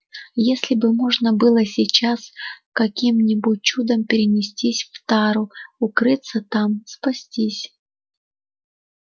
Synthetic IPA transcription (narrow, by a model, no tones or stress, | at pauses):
jesʲlʲɪbɨmo̞ʐnəbɨlˠəsʲɪt͡ɕaskɐkʲimnʲɪbut̚ʲt͡ɕud̪əmpʲɪɾʲɪnʲɪsʲtʲisʲft̪aɾʊʊkɾɨt̪sət̪amspɐsʲtʲisʲ